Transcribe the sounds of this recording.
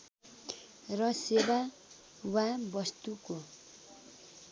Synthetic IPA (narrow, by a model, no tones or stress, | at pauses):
rʌseba | wabʌst̪uko